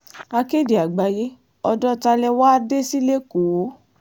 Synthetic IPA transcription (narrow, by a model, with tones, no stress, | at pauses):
a˧ke˦˨di˨a˨ɡ͡ba˨je˦ | ɔ˧dɔ˦ta˧lɛ˧wa˦de˦si˦le˦ko˨o˨˦